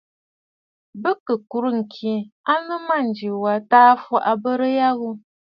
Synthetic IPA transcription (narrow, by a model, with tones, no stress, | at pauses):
bə˦kə˨ku˨ɾɨ˦ŋ̩˨kʰi˨a˦lɨ˦ma˦˨n̩˨d͡ʒi˨wa˨taː˦fɔ˦ʔa˨bə˦ɾə˦ja˦ɣu˦